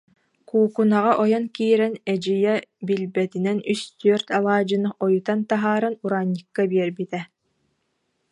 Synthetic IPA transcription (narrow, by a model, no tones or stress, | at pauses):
kuːkunaʁaʔɔjɔnkiːɾɛnɛd͡ʒijɛbilbɛt̪inɛnyst̪yœɾt̪alˠaːd͡ʑɯnɯɔjut̪ant̪aɦaːɾɯnuɾaːɲːɯkːabiɛɾbit̪ɛ